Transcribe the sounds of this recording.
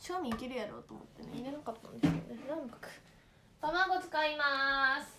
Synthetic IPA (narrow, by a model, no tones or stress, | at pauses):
ɕi̥kamʲiːkʲeɾɯ̟jaɾo̞̰ːt̪oːmot̪ːe̞neiɾenakat̪ːãnd̪e̞sɨ̥ked̪o̰nenãmbakɯ̥ | t̪amaɡo̞t͡sɨ̥kaimasɨ̥